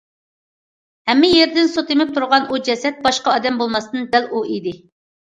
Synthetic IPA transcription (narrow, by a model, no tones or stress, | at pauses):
hɛmːɪjeɾd̪ɪnsot̪emɪp̚t̪ʰuɾʁɑnud͡ʒɛsɛt̪̚bɑʃqɑɑd̪ɛmbolˠmɑst̪ɨnd̪ɛluid̪ɪ